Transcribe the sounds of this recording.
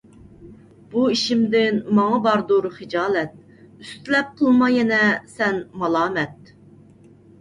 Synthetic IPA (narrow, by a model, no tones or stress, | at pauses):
b̥uiʃimd̪ɪnmɑŋɑbɑɾd̪uɾɨχɨd͡ʒɑːlˠɛt̪̚ | yst̪lɛp̚qʰəlˠmɑjɛnɛsɛnmɑlˠɑːmɛt̪̚